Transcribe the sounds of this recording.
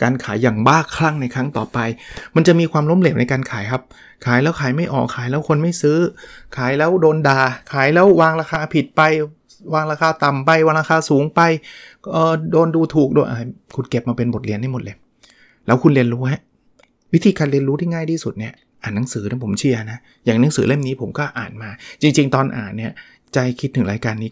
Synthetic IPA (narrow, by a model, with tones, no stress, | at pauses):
kaː˧nkʰaː˩˦jːaː˨˩ŋbaː˥˩kʰːla˥˩ŋna˧jkʰɾa˦˥ŋt̪ɔ̰ː˨˩pa˧jma˧nt͡ɕa˨˩ʔmiː˧kʰwaː˧mlo˦˥mleː˨˩wna˧jkaː˧nkʰaː˩˦jkʰa˦˥p̚ | kʰaː˩˦jlɛː˦˥wkʰaː˩˦jma˥˩jʔɔ̰ː˨˩kʰːaː˩˦jlɛː˦˥wkʰo˧nma˥˩jsɯː˦˥kʰaː˨˩˦jlɛː˦˥wdoː˧ndaː˧kʰaː˨˩˦jlɛː˦˥wwaː˧ŋɾaː˧xʰaː˧pʰi˨˩t̪̚pa˧j | waː˧ŋɾaː˧kʰaː˧t̪a˨˩mpa˧jwa˧nɾaː˧xʰaː˧suː˩˦ŋpa˧jʔɤː˨˩doː˧nduː˧t̪ʰuː˨˩k̚doː˧jʔa̰˧jkʰu˧nke˨˩p̚maː˧pe˧nbo˨˩t̪̚li˧ənha˥˩jmo˨˩t̪̚le˧ | lɛː˦˥wkʰu˧nli˧ənɾuː˦˥ha˦˥˩ | wi˦˥t̪ʰiː˧kaː˧nli˧ənɾuː˦t̪ʰiː˥˩ŋaː˥˩jtiː˧˥˩su˨˩t̪̚ni˥˩ɐ | ʔaː˨˩nːa˦˥ŋsɯː˩˦na˧˥˩pʰo˩˦mt͡ɕʰi˧˥˩ɐna˦˥ | jaː˨˩ŋna˨˦˥ŋsɯː˩˦le˥˩mniː˦˥pʰo˩˦mkɔː˥˩ʔaː˨˩nmaː˧t͡ɕi˧ŋt͡ɕi˧ŋt̪ɔː˧nʔa̰ː˨˩nːi˥˩ɐ | t͡ɕa˧jkʰi˦˥t̪̚ʰːɯ˩˦ŋlaː˨˧˦jkaː˧nːiː˦˥